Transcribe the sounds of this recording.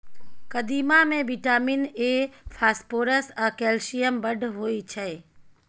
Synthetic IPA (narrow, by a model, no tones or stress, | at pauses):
kəd̪imamẽʋiʈaminefʰaspoɾəsakɛlʃijəmbəɖʱɦoit͡ʃʰe